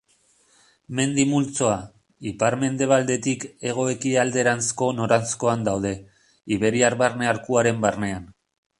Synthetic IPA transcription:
me̞nd̪imult͡so̞a | ipaɾme̞nd̪e̞β̞ald̪e̞t̪ike̞ɣ̞o̞e̞kiald̪e̞ɾansko̞no̞ɾansko̞and̪awðe̞ | iβe̞ɾiaɾβarne̞aɾkuaɾe̞mbarne̞an

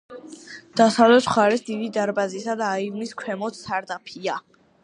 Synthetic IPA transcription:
d̪̥asavlɛt̪sʰχaɾɛsd̪id̪id̪aɾbazisad̪aːivniskʰwɛmɔt̪saɾd̪apʰia

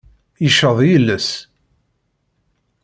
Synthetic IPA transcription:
jəʃəðˤjəlːəs

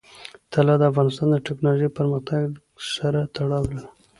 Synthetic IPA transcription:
t̪ʰalɑd̪əafɣɑnɪst̪ɑnd̪əʈeknɑloʒejpəɾməxt̪ʰaɡɡ | saɾat̪ʰaɽɑwla

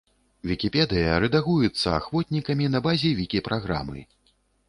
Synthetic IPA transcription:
vʲikʲipʲɛd̪ɨjɐɾɛd̪aɣujut̪sːɐa̰xvɔt̪̚ʲnʲikɐmʲinɐbazʲɛvʲikʲipɾʔaɣɾa̰mɨ̰

